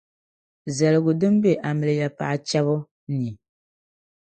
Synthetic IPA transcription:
za˨lɨ˨ɡʊ˨dɨ˦m˦be˦ʔa˨mɨ˨lɨ˨ja˨pa̰˨ʔa˦˨t͡ʃa˦βʊ˦ | ni˨

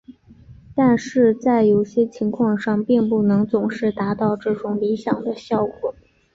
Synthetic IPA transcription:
t̪a˥˧nʂɻ̩˥˧t͡sa˥˩ɪjo˨˩ʊɕjɛ˥t͡ɕʰi˧˥ŋkʰwɑ˥˧ŋʂɑ˥˧ŋpi˥˧npu˥˩nɤ˧˥ŋt͡sʊ˨˩ŋʂɻ̩˥˩t̪a˧˥t̪ɑ˥˧ʊʈ͡ʂɤ˥˩ʈ͡ʂʊ˧˥ŋli˧˥ɕjɑ˨˩ŋd̪ə˦ɕjɑ˥˩ʊkwɔ˨˩˦

